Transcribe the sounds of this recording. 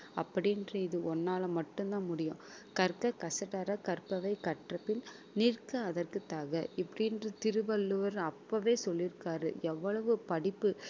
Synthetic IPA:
ɐpːɐɽɪnrɐɪðɯʔɔnːaːlɐmɐʈːɯnd̪ãːmʊɽɪjʊ̃ | kɐɾkɐkɐsɐʈɐɾɐkɐɾpːɐʋɐɪkɐʈrɐpːɪl | nirkɐːðɐrkɯt̪ːaːɣɐɪpːɐɽɪnrɐt̪ɪɾɯʋɐlːɯʋɐɾɐpːɐʋeːsɔlːɪɾɯkːaːɾɯ̰ɛʋːɐɭɐʋɯpɐɽɪpːɯ

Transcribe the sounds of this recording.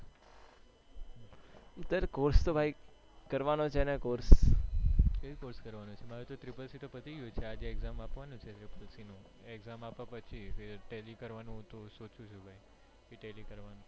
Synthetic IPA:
ʊt̪ːəɾkoɾst̪obʱai | kəɾʋanot͡ʃʰenɛkoɾs | kəjikoɾskəɾʋanõt͡ʃʰemaɾut̪ot̪ɾɪpəlsit̪opət̪iɡjut͡ʃʰead͡ʒeeɡzamapʋanũt͡ʃʰet̪ɾipəlsinũ | eɡzamapãpət͡ʃʰieɾʈelikəɾʋanũt̪osot͡ʃũt͡ʃʰubʱaj | iʈelikəɾʋanũ

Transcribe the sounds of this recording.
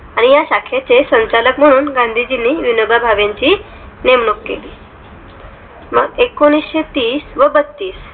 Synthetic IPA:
aɽ̃ijaɕakʰat͡sesə̃ɲt͡ɕaləkm̤əɽ̃uːnɡãnd̪ʱid͡ʑinːiːʋinoɡabʱaʋjãɲt͡ɕiː | nemɳokːḛliː | məɡekoɽ̃isɕet̪iːsʋəbət̪ːiːs

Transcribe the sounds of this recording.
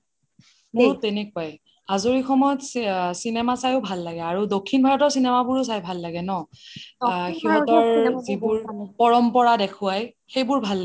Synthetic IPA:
muɹtɛnɛkuaj | azoɹixɔmɔjɔtsinɛmasajʊbʱalːaɡɛaɹudokʰːinbʱaɹɔtɔɹsinɛmabʊɹʊs̬ajbʱalːaɡɛnɔ | xiɦɔtɔɹzibʊɹpɔɹɔmpɔɹadekʰʊajxejbʊɹbʱalːa

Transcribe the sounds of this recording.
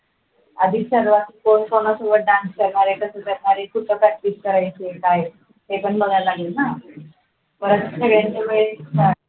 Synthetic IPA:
əd̪ʱisəɾʋat̪ikoɳkonasobəʈ̚ɖanskəɾɳaɾekəsət̪əɾɳaɾekʰut̪ʰːəpɾak̚ʈiskəɾajt͡ɕekaj | t̪epəɳbəɡalaɡilna | pəɾəd̪səɡɭjaɲt͡ɕemeɭesa

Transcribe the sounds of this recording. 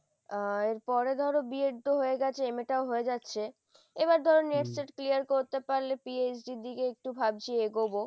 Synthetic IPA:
aeɾpɔɾed̪ʱɔɾobieɾd̪oɦoeɡɛt͡ɕʰeemeʈaoɦoed͡ʑatːɕʰe | eβaɾd̪ʱɔɾonːeʈseʈklijaɾkoɾt̪epaɾlepiet͡ɕɖid̪ikeek̚ʈubʱab̚d͡ʑieɡobo

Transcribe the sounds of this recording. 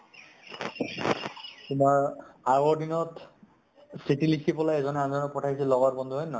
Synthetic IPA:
pumaɹaɡɔɹdinɔt | sitilikʰipɔlajɛzɔnɛanzɔnɔpɔtʰajsilɔɡaɹbɔnd̪ʱuɦɔjnɔ

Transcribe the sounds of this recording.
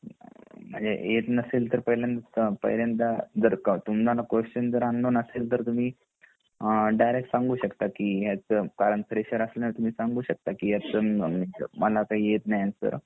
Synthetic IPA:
m̤əɳd͡zḛet̪nəseːlt̪əɾpəɦljãnt̪apə̰ɦiljant̪ad͡zəɾkt̪umd͡zalakʋeɕʈənd͡zəɾanːonəseːlt̪əɾt̪um̤iː | ɖajɾek̚ʈsãŋɡuːɕəkt̪akiɦet͡skaɾəɳpʰəɾeɕəɾəslənət̪um̤iːsãŋɡuːɕək̚t̪akiːjet͡sənmiməlakaɦiːjet̪najat̪ə̰ɾ

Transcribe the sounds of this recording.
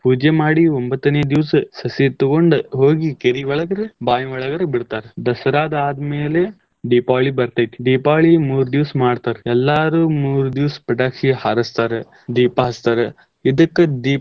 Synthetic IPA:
puːd͡ʒemaːɽiombɐt̪ːɐneːd̪iʋssɐsit̪ɐɡoɳɖɦo̞ːɡikeɾiʋɐɭɐɡɐɾebaːjɐʋɐɭɐɡɐɾebiɽt̪aːɾed̪ɐsɐɾaːd̪ɐaːd̪ɐmeːle | ɖiːpaːɭibɐɾt̪ɐt̪i̥ɖiːpaːɭimuːɾud̪iʋsmaːɖt̪aːɾeɛlːaːɾuːmuːɾud̪iʋspɐʈaːkʃihaːɾɐst̪aːɾe | d̪iːpaɦɐst̪aːɾe | id̪ɐkːed̪iː

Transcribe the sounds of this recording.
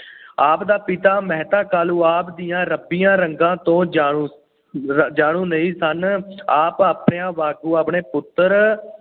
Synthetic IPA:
aːpd̪aːpɪt̪aːmɛɦt̪aːkaːluːaːpd̪ɪjãːɾəpːɪjãːɾəŋɡãːt̪õːd͡ʒaːuː | d͡ʒaːɽ̃ũːnəiːsənaːpaːpɳeːãːʋaːɡuːaːpɳeːpʊt̪ːəɾ

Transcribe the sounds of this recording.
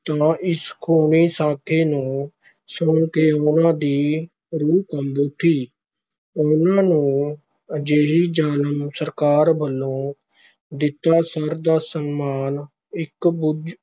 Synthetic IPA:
t̪ãːʔɪskʰoːniːsãːkʰeːnũː | sʊɳkeːʊnãːd̪iː | ɾuːkəmbut̪ʰiː | ʊnãːnũː | d͡ʒeːɦiːd͡ʒaːləmsəɾkaːɾbəlːõː | d̪ɪt̪ːaːsəɾd̪aːsənmaːn | ɪkbʊd͡ʒ

